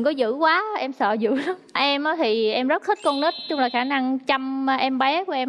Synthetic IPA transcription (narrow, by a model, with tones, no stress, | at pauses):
ŋkɔ˨˦zɨ̰˧˥kwaː˨˦ʔɛ˧msə̰ː˧˨zɨ̰˧˨ɗɔ˨˦ | ʔɛ˧mʔaː˨˦t̪ʰi˨˩ʔɛ˧mzə˦˥t̚t̪ʰi˦˥t̚kɔ˧ŋnɨ˦˥t̚t͡ɕʊ˧˦ŋ͡mlaː˨˩xaː˧˩na˧ŋt͡ɕa˧m˧ʔɛ˧mɓɛ˨˦ku˧˩əʔɛ˧m